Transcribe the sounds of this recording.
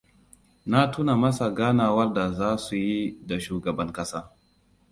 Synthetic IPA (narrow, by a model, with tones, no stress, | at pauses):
na˦tuː˦na˨mɐ˦sa˨ɡaː˦naː˨wɐ˦rda˨zaː˦su˨ji˦da˨ʃuː˨ɡɐ˨bɐ˦ŋkɐ˦saː˦